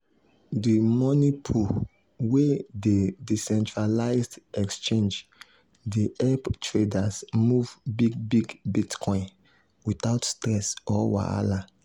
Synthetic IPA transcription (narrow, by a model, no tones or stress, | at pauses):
dimɔnipʰu | wededisɛ̃ntɹalaɪzdɛkst͡ʃẽnd͡ʒ | deʔɛptɹedasmuvbiɡ̚biɡbitkʰɔ̃ɪ̃n | witaʊtstɹɛsɔwa̰a̰la